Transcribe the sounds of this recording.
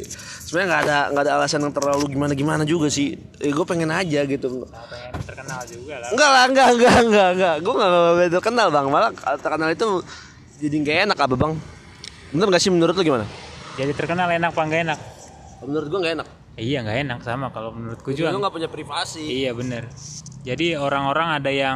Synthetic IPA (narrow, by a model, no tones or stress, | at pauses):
səmaɲaŋɡadaŋɡaːdaːlasanjaŋt̪ərlaluɡimanaɡimanad͡ʒuɡasɪh | aɡuɛpɛŋɛnad͡ʒaɡit̪uŋa | nat̪ərkənald͡ʒuɡaŋɡalahŋɡaŋɡaŋɡaŋɡaɡuɛŋɡabt̪ərkənalbaŋmalat̪ərkənalit̪u | d͡ʒadiŋɡaenakababaŋ | bənərŋɡaʔsɪhmənuɾʊt̪laɡimanad͡ʒadit̪ərkənalenak̚paŋɡaenak̚ | mənuɾʊt̪̚ɡuɛŋɡaenak̚ | ijaŋɡaenak̚samakalomənuɾʊt̪̚kud͡ʒuauŋɡapuɲapɾivasiijabənərd͡ʒadioɾaŋoɾaŋadajaŋ